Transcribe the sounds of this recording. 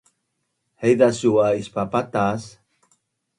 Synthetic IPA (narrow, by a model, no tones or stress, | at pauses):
hejðasuaispapat̪as